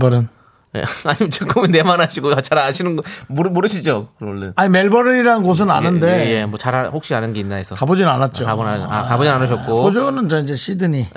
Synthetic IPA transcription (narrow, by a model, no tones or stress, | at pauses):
bʌɾɯn | ḛaɲiment͡ɕʰɯk͈ʰɯmɯnːemanɦaɕʰiɡoat͡ɕʰaɾaɕʰinɯnɡʌmuɾmuɾɯɕʰid͡ʑokɯɾʌoɭːeaɲime̞ɭbʌɾɯniɾanɯnɡos̬ʰɯna̰nɯndeje̞mwʌt͡ɕaɾahok̚ɕ͈ianɯnɡe̞inːaɦesʰʌkabod͡ʑinɯnanat̚t͡ɕ͈okabona̰akabod͡ʑinanɯɕ̬ʰʌt̚k͈ood͡ʑonɯnt͡ɕʌind͡ʑe̞ɕʰidɯɲi